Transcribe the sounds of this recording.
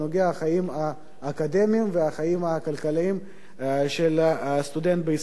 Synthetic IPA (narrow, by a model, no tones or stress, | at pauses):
noɡeaaχajimaː | kad̪e̞miimveaχajimakalkaliim | ʃelst̪ud̪ent̪̚beis